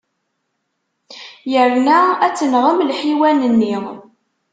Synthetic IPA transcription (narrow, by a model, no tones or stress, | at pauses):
jəɾnææt͡sːənʁəmlħiwænənːi